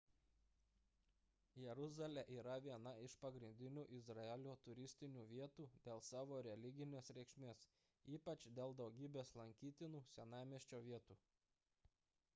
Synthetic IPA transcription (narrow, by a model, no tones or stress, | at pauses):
jɛɾʊzɐlʲɛʔiːɾɐʋʲiɛnɐɪʃpɐɡɾʲɪnʲd̪ʲɪnʲuːʔɪzɾɐɛlʲoːt̪ʊɾʲɪsʲt̪ʲɪnʲuːʋʲiɛt̪uːd̪ʲeːlˠsɑːʋoːɾʲɛlʲɪɡʲɪnʲeːsɾʲɛkʃʲmʲeːs | iːpɐt͡ʃd̪ʲeːlˠd̪ɒʊɡʲiːbʲeːslˠɐŋʲkʲiːt̪ʲɪnuːsʲɛnɑˑɪmʲiɛʃʲt͡ʃʲoːʋʲiɛt̪uː